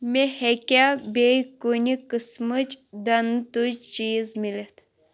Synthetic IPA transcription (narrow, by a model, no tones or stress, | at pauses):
mehekʲabekunʲikɨsmɨt͡ʃd̪ɐnt̪ut͡ʃt͡ʃiːzmilet̪ʰ